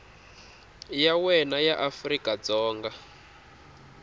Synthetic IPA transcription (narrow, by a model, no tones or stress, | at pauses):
jawɛnajaʔafrikʼad͡zɔːŋɡa